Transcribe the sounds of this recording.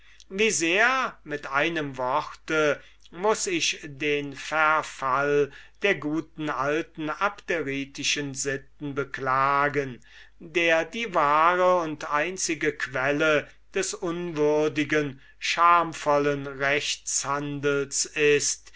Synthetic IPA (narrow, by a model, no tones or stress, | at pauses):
viːzeːɐmɪtʔaɪnəmvɔʁtə | mʊsɪçdeːnfɛɐfald̥eːɐɡuːtn̩ʔaltn̩apteʁiːtɪʃənzɪt̚n̩bəklaːɡən | deːɐdiːvaːʁəʊntʔaɪnt͡sɪɡəkv̥ɛlə | d̥ɛsʔʊnvʏɐdɪɡən | ʃaɐmfɔlənʁɛçt͡shandl̩sɪst